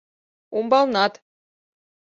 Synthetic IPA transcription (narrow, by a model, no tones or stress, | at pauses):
umbɑlˠnɑt̪